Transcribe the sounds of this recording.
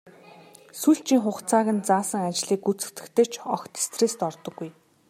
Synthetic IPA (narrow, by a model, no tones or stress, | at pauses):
suɬt͡ɕiːŋχʊχt͡sʰaːɣɘ̆nt͡saːsə̆ŋat͡ɕɮiːkːut͡sɘ̆kt̪ɘ̆kt̪ɘ̆t͡ɕʰɔxt̪ʰe̥st̪rest̪ɔrt̪ɞ̆ɡːuj